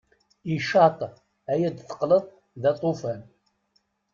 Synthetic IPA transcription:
iʃɑt̪ˤ | æjæd̪θə̥qləðˤ | ðæt̪ˤofæn

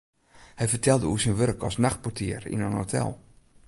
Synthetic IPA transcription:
hɛjfərtʰɛlˠdəusinʋørkʰɔsnaxt̚potʰɪ̰ərḭnənhotʰɛ̰lˠ

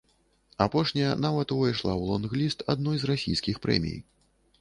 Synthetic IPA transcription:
apɔʂnʲɐjɐnavɐt̪uvajʂlˠawlˠɔnɣlʲist̪a̰d̪nɔjzrasʲḭjskʲixpɾɛ̰mʲḭj

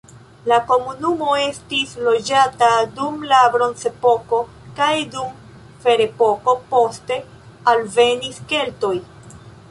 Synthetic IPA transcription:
lako̞munumo̞e̞stislo̞d͡ʒatadumlabɾo̞nt͡se̞po̞ko̞ | kajdum | fe̞ɾe̞po̞ko̞po̞ste̞ | alve̞niske̞lto̞j

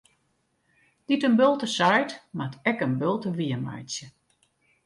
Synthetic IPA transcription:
d̥itənbølˠtəsajtmatɛkənbølˠtəʋiəma̰jsjə

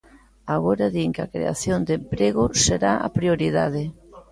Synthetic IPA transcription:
aɣoɾaðiŋkɪakɾḛa̰θjond̪empɾeɣʊseɾaʔa̰pɾioɾiðað̞ɪ

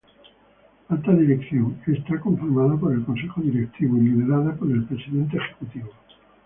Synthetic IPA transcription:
alt̪aðiɾekθjoŋest̪akõ̞ɱfiɾmaðapoɾe̞lko̞nse̞xoðiɾek̚t̪iβoiliðe̞ɾaðapoɾe̞lpɾesiðe̞nt̪̬eːxekut̪iβo

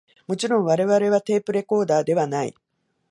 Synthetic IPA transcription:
mo̞t͡ɕiɾõ̞ɰ̃βaɾe̞βaɾe̞βat̪e̞ːpɯ̟ɾe̞ko̞ːd̪aːd̪e̞βanaḭ

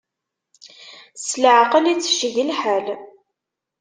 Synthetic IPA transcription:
sləʕəqəlit͡sːə̥ʃʝəlħæl

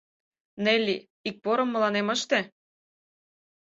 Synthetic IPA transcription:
nelʲːi | ik̚poɾɤ̆mːɤ̆lɑnemə̆ʃt̪ĕ

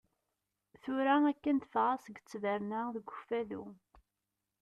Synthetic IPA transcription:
θʊɾæækːənt̪əfʁasəɡt͡sːvəɾnæðəɡʷʊfælṵ

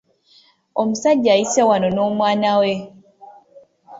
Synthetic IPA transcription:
omusaɟːajisewanono̞ːmwaːnawe

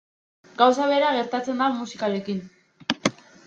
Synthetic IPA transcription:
ɡawsaβe̞ɾaɣe̞ɾt̪at͡se̞nd̪amusikaɾe̞kin

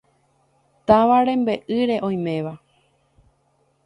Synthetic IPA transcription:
t̪aʋaɾẽ̞mbe̞ʔɨɾe̞ʔõ̞j̃mẽ̞ʋa

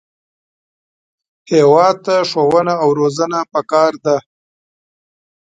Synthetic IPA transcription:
hewɑd̪̚t̪aʂowənaawɾozənapəkɑɾd̪a

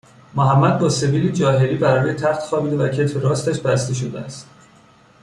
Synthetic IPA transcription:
moɦæmːæd̪̚bɒːse̞viːd̪id͡ʒɒːɦeɾiːbæɾɒːjet̪ʰæxt̪xɒːbiːd̪evæcʰet̪feɾɒːst̪æʃbæst̪eʃ̬od̪eæst̪

